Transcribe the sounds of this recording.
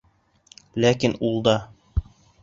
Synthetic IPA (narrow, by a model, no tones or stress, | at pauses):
lækinulˠd̪ɑ